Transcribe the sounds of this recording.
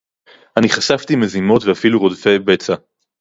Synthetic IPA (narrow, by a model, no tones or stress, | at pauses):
aniχasavtimezimo̞tveafiluʁodfejbet͡sa